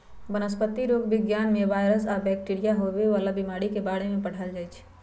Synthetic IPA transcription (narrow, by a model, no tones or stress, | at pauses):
bənəspət̪ːiɾoːɡbɪɡjaːnmẽʋaːjɾəsabɛːk̚ʈiɾijaɦoʋeʋaːlabɪmaːɽikebaːɽemẽpəɽ̤əld͡ʒaːjt͡ʃʰ